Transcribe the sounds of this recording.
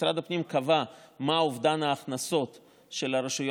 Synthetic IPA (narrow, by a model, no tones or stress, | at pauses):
sɾad̪apnimkavamaovd̪anaːχnaso̞t̪ | ʃe̞laɾeʃujo